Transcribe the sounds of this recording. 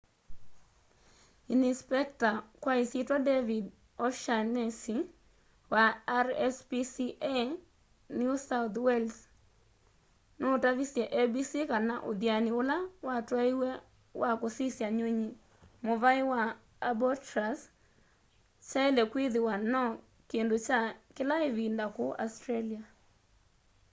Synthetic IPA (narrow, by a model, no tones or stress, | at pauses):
inispɛk̚takwaisitɔdevid | ɔʃanesi | waɾɛspisiʔe | njusaʊt̪wɛls | notavisjeʔebisikana̰ʔʊ̰d̪janɪʊlawatwaiwɛ | wʔakosisjaɲweɲi | mʊvaɪwaː | bɔtɾas | t͡ʃaɛlɛkwiðɪwanɔ | kendot͡ʃakɪlaɪvindakʊʔa̰stɾelia